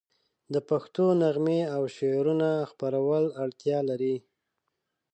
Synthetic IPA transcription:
d̪əpaxt̪onaɣmeawʃeɾunaxpaɾawəlaɽt̪jɑlaɾi

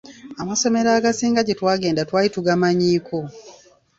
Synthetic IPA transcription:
amaso̞me̞ɾaːɡasiːŋɡaɟetwaːɡe̞ːndatwaːjituɡamaɲiːko

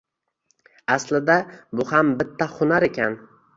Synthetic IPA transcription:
aslɪd̪abʊhambɪt̪ʰːaχʊnaɾekʲʰan

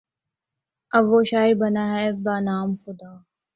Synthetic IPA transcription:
əbʋoːʃaːɪɾbənaːɦɛːbaːnaːmxʊd̪aː

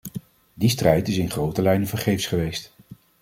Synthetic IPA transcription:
distrɛjtɪsɪnχrowtəlɛjnəvəɹχejfsχəʋejst

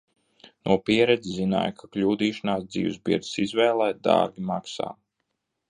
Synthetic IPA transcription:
nuɔpiɛɾɛd̪zʲzzina̰ːjkʰaklʲuːd̪iːʃanaːsd̪zḭːwzbḭɾd̪sizvɛːlˠɛːjd̪ɑ̰ːɾɡʲimaksa̰ː

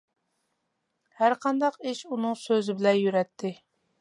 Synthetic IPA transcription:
hæɾqʰɑnd̪ɑqiʃunɨŋsøzɪbɪlɛnjyɾɛt̪ʰːɪ

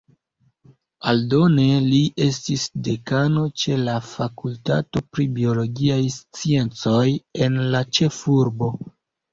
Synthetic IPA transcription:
aldo̞ne̞liʔe̞stisde̞kano̞t͡ʃe̞lafakulta̰to̞pɾibio̞lo̞ɡiajst͡sie̞nt͡so̞je̞nlat͡ʃe̞fuɾbo̞

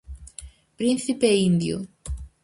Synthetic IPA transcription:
pɾinθipeind̪jṵ

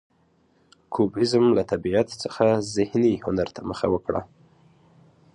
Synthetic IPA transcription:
kʰubɪzmlat̪abiat̪t͡səxazɪhnihʊnaɾt̪ʰaməxa̰wəkɽa̰

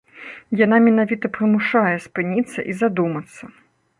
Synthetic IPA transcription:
janamʲɛnavʲit̪ɐpɾɨmuʂajɛspɨnʲit̪sːɐ̰ʔizad̪umɐt̪sːɐ

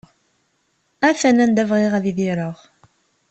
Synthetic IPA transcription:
æθænænd̪ævʁiʁæðiðiɾəʁ

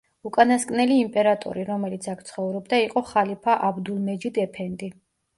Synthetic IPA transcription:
ukʼanaskʼnɛliːmpʼɛɾat̪ʼɔ̰ɾiɾɔmɛlit̪sʰakʰt̪sʰχɔvɾɔbd̪aiqʼɔχalipʰaʔabd̪ulˠmɛd͡ʒid̪ɛpʰɛnd̪ʼi

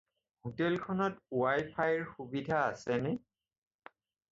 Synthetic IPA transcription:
hutɛlkʰɔnɔtuajpʰajɹxubidʱaːsɛnɛ

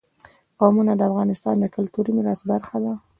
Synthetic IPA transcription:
ɣɑmunad̪əafɣɑnɪst̪ɑnd̪əkʊlt̪uɾimɪɾasbaɾxad̪a

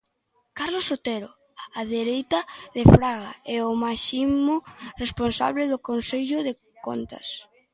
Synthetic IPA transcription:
kaɾlosot̪eɾo | aðeɾejt̪aðefɾaɣa̰ɛomaʃimoresponsa̰βleðʊkonseʎʊðe | ko̰nt̪ɐ̰s

